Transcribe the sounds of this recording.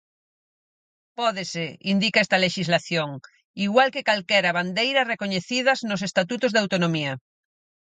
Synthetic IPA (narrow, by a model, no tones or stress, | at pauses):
pɔðeseind̪ikaɛst̪aleʃizlaθjoŋ | iɣwalkekalkeɾaβand̪ejɾarekoɲeθið̞aznos̬est̪at̪ut̪ozðawt̪onomia